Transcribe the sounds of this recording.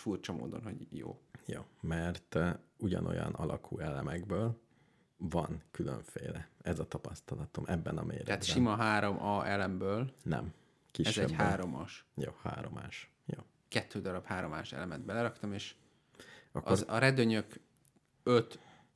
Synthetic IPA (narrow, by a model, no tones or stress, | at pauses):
furt͡ʃɒmo̰ːd̪o̞̰nho̞̰ɟjo̰ːjoːmɛrt̪uɟɒ̰no̞̰jɒ̰nɒlɒkʰuːɛlɛmɛɡbøːl | vɒnkyløɱfeːlɛɛzɒt̪ɒpɒst̪ɒlɒt̪omʔɛbːɛnɒmeːɾɛɛaːt̪ʃimɒɦaːɾo̞mʔɒɛlɛmbøːlnɛ̰m | kiɛʃzɛɟhaːɾo̞mɒ̰ʃjoːha̰ːɾoma̰ːʃ | joː | kɛt̪ːøːd̪ɒɾɒphaːɾo̞maːʃɛ̰lɛmɛd̪bɛlɛɾɒkt̪ɒmeːʃ | ɒʔɒozɒɾɛd̪øɲøk | øt̪